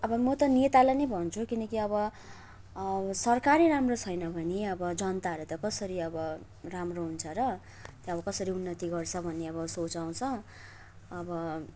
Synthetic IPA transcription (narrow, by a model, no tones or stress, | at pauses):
ʌbʌmʌt̪ʌnet̪alajnʌjbʱʌnt͡sʰukinʌkiʌβʌ | sʌrkaɾiɾamrot͡sʰʌjnʌbʱʌneʌbʌd͡zʌnt̪aʌɾut̪ʌkʌsʌɾiʌbʌ | ramroɦunt͡sʰʌɾʌ | t̪joʌbʌkʌsʌɾiunːʌt̪iɡʌrt͡sʰʌbʱʌnːeʌbʌsot͡saw̃t͡sʰʌ̃ː | bʌ